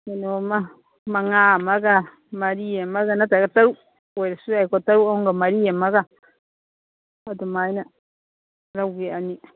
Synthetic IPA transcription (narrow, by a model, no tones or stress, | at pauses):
nenoma | maŋamaɡa | maɾiamaɡanatakataɾu | weɾsuaikotaɾuoŋɡamaɾiamaɡa | atumaina | ɾaɡeani